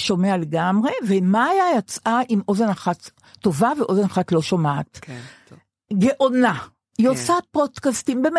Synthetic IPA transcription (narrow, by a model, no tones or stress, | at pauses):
ʃo̞meale̞ɡamʁe̞vemaːjajot͡sʔaʔimo̞zenaχat̪ː | o̞vaveʔo̞zenaχatlo̞ʃomaat | ɡe̞ʔo̞na | josapo̞dkastimbem